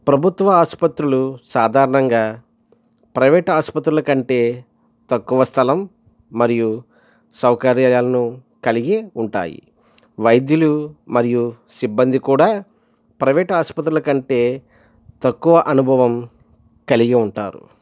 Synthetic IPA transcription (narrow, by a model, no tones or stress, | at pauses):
pɾɐbʱut̪ʋɐaːspɐt̪ɾulusaːd̪ʱaːɾɐɳɐŋɡaː | pɾɐʋɛːʈɐaːspɐt̪ɾulɐkɐɳʈe̞ː | t̪ɐkːuʋɐst̪ʰɐlɐmː | ɐɾiju | sɐwkɐɾjaːjaːlɐnu | kɐliɡiuɳʈa̰ːjḭ | ʋɐjd̪jɐlumɐɾiju | sibːɐnd̪ikuːɽaː | pɾɐʋɛːʈɐaːspɐt̪̬ɾulɐkɐɳʈe̞ː | t̪ɐkːuʋɐʔɐnubʱɐʋɐm | kɐliɡiuɳʈa̰ːɾṵ